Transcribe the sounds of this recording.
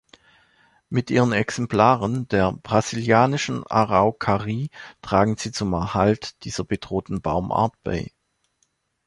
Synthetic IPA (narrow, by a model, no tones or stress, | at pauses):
mɪtʔiːʁənɛksɛmpl̥aːʁəndeːɐb̥ʁaziljaːnɪʃn̩a̰ʁaʊkʰaʁiːtʁ̥aːɡŋ̩z̥iːt͡sʊmɛɐhaltd̥iːz̥ɐbəd̥ʁoːtn̩baʊmʔa̰ːɐt̚b̥a̰ɪ